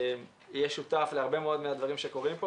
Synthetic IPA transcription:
m | jeʃut̪afleaʁbe̞meo̞d̪mead̪vaʁimʃeko̞ʁimpo

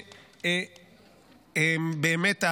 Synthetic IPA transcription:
embemeta

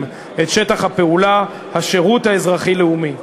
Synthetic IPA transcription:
et̪ʃetaχhape̞ula | haʃeʁuthaezʁaχileumi

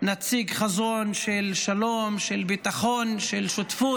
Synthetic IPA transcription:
nat͡siɡχazonʃelʃalomʃelbit̪aχonʃelʃot̪fu

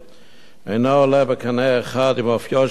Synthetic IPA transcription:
ɛnaːlɛbəkʰanɛːxaːdimɔfjɔ

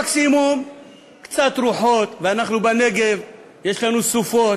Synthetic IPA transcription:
ksimum | kt͡sat̪ɾuħot̪veanaχnubane̞ɡe̞v | je̞ʃlanusufo̞t

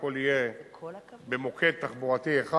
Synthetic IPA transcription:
kolije | bemokʰet̪ːaχboʁat̪ieχa

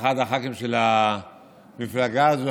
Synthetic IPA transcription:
xad̪aχakimʃela | miflaɡaːzo

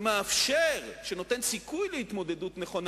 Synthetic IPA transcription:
meafʃeʁʃeno̞t̪e̞nsikujleit̪mo̞d̪e̞dutneχo̞n

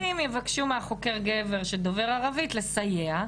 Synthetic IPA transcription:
imjevakʃumeaχo̞ke̞ʁɡeve̞ʁʃed̪o̞ve̞ʁaʁavitle̞sajea

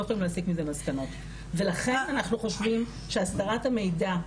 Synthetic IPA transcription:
χoimleaːsikmizelmaskano̞t | ve̞laχe̞nanaχnuχo̞ʃvim | ʃeasd̪aʁathame̞jda

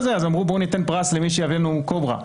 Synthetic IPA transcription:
zeazamʁubonit̪e̞npʁaslemiʃejavenukobʁa̰

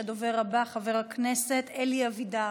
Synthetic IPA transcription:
ed̪oveʁabaχaveʁhakneset̪eliavid̪a

